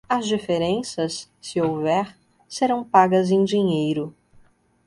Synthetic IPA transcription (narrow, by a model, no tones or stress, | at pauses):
ɐzd͡ʒifeɾẽsɐsː | ɪowvɛɾ | seɾɐ̃w̃paɡɐzẽj̃d͡ʒiɲejɾʊ